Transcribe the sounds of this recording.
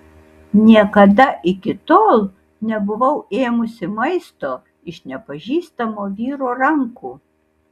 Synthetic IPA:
nʲiɛkɐd̪ɐʔɪkʲɪt̪oːlˠ | nʲɛbʊʋɐʊeːmʊsʲɪmɐɪst̪oː | ɪʃnʲɛpɐʒʲiːst̪ɐmoːʋʲiːɾoːɾɐŋkuː

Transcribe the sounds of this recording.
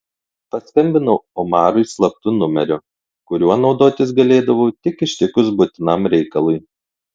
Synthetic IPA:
pɐsʲkʲɐmʲbʲɪnʊɔmɑːɾʊɪslˠɐp̚t̪ʊnʊmʲɛɾʲʊ | kʊɾʲuɔnɒʊd̪oːt̪ʲɪs̬ɡɐlʲeːd̪ɐʋɐːt̪ʲɪkɪʃʲt̪ʲɪkʊsbʊt̪ʲɪnɐmɾʲɛɪkɐlˠʊj

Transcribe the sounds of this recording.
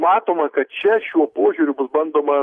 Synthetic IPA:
mɑːt̪oːmɐkɐt̪̚t͡ʃʲɛʃʲuɔpoɔʒʲʊːɾʲʊbʊsbɐnd̪oːmɐ

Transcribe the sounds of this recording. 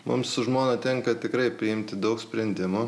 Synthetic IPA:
mʊ̰msʊʒmoːnɐt̪ʲɛŋkɐt̪ʲɪkɾɐɪpʲɾʲɪɪmʲt̪ʲɪd̪ɒʊksʲpʲɾʲɛnʲd̪ʲɪmʊ

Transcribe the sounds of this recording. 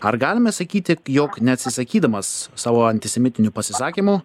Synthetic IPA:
ɐɾɡɑːlʲɪmʲɛsɐkʲiːt̪ʲɪjoːknʲɛɐt̪ʲsʲɪsɐkʲiːd̪ɐmɐssɑːʋoːɐnʲt̪ʲɪsʲɛmʲɪt̪ʲɪnʲʊpɐsʲɪsɑːkʲimu

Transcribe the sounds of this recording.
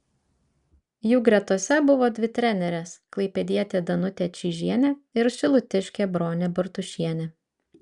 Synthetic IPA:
juːɡɾʲɛt̪uɔsʲɛbʊʋoːd̪ʲʋʲɪt̪ʲɾʲɛnʲɛɾʲɛsklˠɐɪpʲɛd̪ʲiɛt̪ʲeːd̪ɐnʊt̪ʲeːt͡ʃʲiːʒʲiɛnʲeɪɾʃʲɪlˠʊt̪ʲɪʃʲkʲeːbɾoːnʲeːbɐɾt̪ʊʃʲiɛnʲe

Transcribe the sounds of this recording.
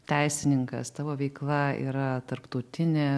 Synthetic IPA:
t̪ʲɛɪsʲɪnʲɪŋkɐ̰st̪ɑːʋoːʋʲɛɪklˠɐḭːɾɐt̪ɐɾpt̪ɐʊt̪ʲɪnʲeː

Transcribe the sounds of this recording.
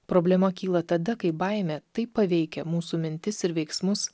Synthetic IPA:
pɾoːbʲlʲɛmɐkʲiːlˠɐt̪ɐd̪ɐkɐɪbɐɪmʲɛt̪ɐɪpːɐʋʲɛɪkʲɛmuːsuːmʲɪnʲt̪ʲɪsɪɾʋʲɛɪksmʊs

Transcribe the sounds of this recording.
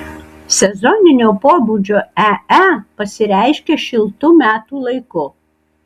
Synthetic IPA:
sʲɛzɔnʲɪnʲoːpoːbuːd͡ʒʲoːææpɐsʲɪɾʲæˑɪʃʲkʲeʃʲɪlˠt̪ʊmʲæːt̪uːlˠɐɪkʊ

